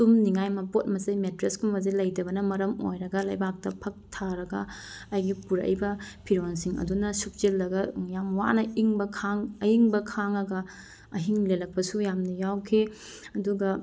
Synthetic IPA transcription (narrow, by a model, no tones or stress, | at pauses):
tumniŋajmɐpot̚mɐzɐjmetɾeskumbɐzilɐjdɐbɐnɐmɐɾɐmo̰jɾɐɡɐlɐjbak̚tɐpʰɐk̚tʰaɾɐɡɐajɡipuɾɐ̰jbɐpʰiɾonsiŋɐ̰dunɐsuk̚zelːɐɡɐjamwa̰nɐiŋbɐkʰaŋɐjiŋbɐkʰaŋɐɡɐ | ɐɦiŋlelɐk̚pɐsujamnɐjawkʰi | ɐduɡɐ